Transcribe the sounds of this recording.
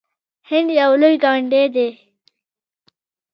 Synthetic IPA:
hɪɳd̪jawlojɡɑːɳɖed̪e

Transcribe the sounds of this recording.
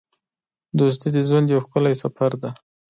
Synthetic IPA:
d̪os̬t̪id̪əzwand̪jawxkəlajsafaɾd̪a

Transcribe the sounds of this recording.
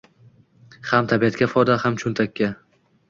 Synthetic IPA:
hamt̪ʰabijat̪̚kʲafɒjd̪ahamt͡ʃʰʊnt̪ʰakʲʰːa

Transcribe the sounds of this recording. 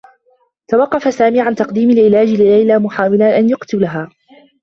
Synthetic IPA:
t̪awɑqːɑfasaːmiːʕant̪ɑqd̪iːmalʔɪlaːd͡ʒlɪːajlamʊħaːwɪlaʔanjʊqt̪ʊlaɦaː

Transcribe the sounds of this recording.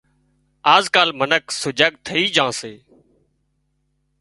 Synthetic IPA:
aːzkaːlmənəksʊd͡ʒaːk̚t̪ʰəiːd͡ʒãːseː

